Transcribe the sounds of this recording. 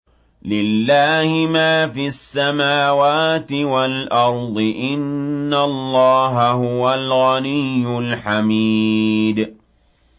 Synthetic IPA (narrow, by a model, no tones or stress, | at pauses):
lɪlːaːhɪmaːfiasːamaːwaːt̪ɪwalʔɑɾˤd̪ˤɨʔɪnːalˤːɑːɦaɦʊwalɣanɪjːʊlħamid̪